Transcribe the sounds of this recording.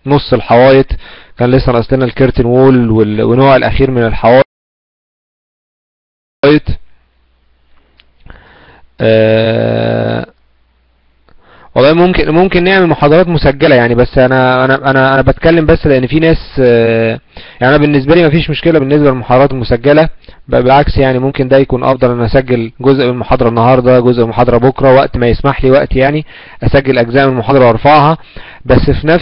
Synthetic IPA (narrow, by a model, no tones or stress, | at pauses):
nosˤːelħawæːjet̪ˤkæːnlesːænʔɑsˤlenælkeɾt̪enwoːlwelwenoːʕelʔæ̰xiːɾmenelħawæː | jet̪ˤ | ʔæː | wɑlˤːɑːjmomkenmomkenːeʕmelmoħɑːd̪ˤɑɾˤɑːt̪mosæɡːælæjaʕnibæsːʔænæʔænæʔænæʔæbæt̪kælːembæsːleʔenːfiːnæːs | jaʕiʔænæbenːes̬bæliːmæfiːʃmoʃkelæbenːes̬bælelmoħɑd̪ɑɾˤɑːt̪elmosæɡːælæbæbelʕaksjaʕnimomkend̪æjækuːnʔɑ̰fd̪ˤɑlʔenːæʔæsæɡːelɡozʔbelmoħɑːd̪ˤɑɾˤɑnːɑhɑːɾˤd̪ˤɑɡozʔbemoħɑːd̪ˤɑɾˤɑbokɾˤɑwæʔt̪mæjesmaħliːwæʔt̪ijaʕni | ʔæsæɡːelʔæɡzæːmelmoħɑd̪ˤɑɾˤɑwɑɾˤfɑʕhɑ | bæsːfinæ